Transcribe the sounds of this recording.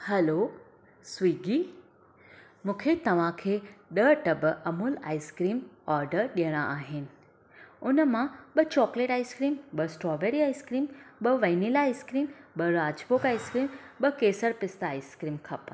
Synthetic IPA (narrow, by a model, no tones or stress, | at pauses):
hɛloː | swiːɡiː | mũːkʰet̪ɐʋ̤ãkʰeːɗəʈɐbɐmuːla̰ːiskɾiːmɔːɾɖəɾɗijəɽ̃aʔaːɦɪnɪ̆ | ʊnəmãɓɐt͡ɕɔːkleːʈaːiskɾiːmbɐsʈɾɔːʋeːɾiaːiskɾiːmɓɐʋɐnilaːiskɾiːmɓɐɾaːd͡ʑboːkaːiskɾiːmɓɐkeːsəɾpɪst̪aːiskɾiːmkʰɐp